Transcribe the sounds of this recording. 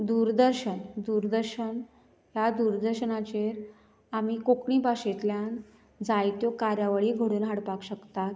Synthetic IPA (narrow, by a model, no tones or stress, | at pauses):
d̪uɾd̪əɾɕənd̪uɾd̪əɾɕən | jad̪uɾd̪əɾɕənat͡ɕeɾ | amikokɳipaɕet̪ljan | d͡zajt̪jokaɾjaʋaɭiːɡʱəɽuːnɦaɽpakɕəkt̪at̪̚